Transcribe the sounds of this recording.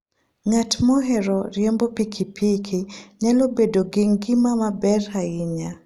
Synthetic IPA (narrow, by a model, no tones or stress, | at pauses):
ŋatmɔɦɛɾɔɾɪjɛmbɔpikʰipikʰiɲalobedoɡɪŋɡɪmamabɛrhaɪɲa